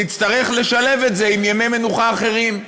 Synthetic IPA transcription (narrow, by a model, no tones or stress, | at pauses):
it͡st̪ɐʁe̞χle̞ʃale̞vetze̞imjame̞jme̞nuχaːχe̞ʁim